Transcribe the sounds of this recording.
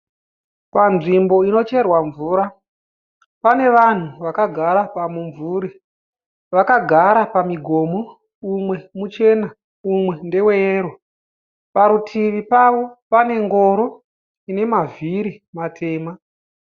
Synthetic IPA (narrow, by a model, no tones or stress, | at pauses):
panʐimbo̞ino̞t͡ʃe̞rwaɱvuːɾa | pane̞ʋan̤uʋakaɡʱaɾapamuɱvuːɾi | ʋakaɡʱaɾapamiɡʱo̞ːmo | umwe̞mut͡ʃe̞na | umwe̞nde̞weeːro | paɾutʰiʋipaʋo̞pane̞ŋɡo̞ɾo̞ | ine̞maviɾi | matʰe̞ːma